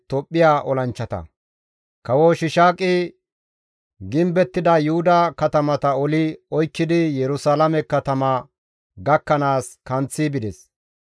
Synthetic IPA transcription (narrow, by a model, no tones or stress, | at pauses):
t̪ɔpʼːɪjaːʔɔlɐnt͡ʃːɐt̪ɐ̰ | kɐwoʃɪʃaːkʼɪ | ɡɪmbɛt̪ːɪd̪ɐjʊhʊd̪ɐkɐt̪ɐmɐt̪ɐɔlɪɔjkːɪd̪ɪjɛɾʊsaːlɐmɛkːɐt̪ɐmɐ | ɡɐkːɐnaːskɐnt͡sːɪbɪd̪ɛs